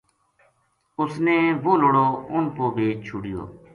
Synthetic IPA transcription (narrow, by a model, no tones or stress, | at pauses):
ʊsneːʋoːloːɽoːʊnpoːbeːt͡ʃʰʊɽɪjo̰ː